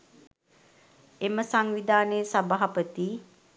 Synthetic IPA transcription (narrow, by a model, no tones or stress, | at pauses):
eməsaŋʋid̪aːnəjsabaɦapət̪i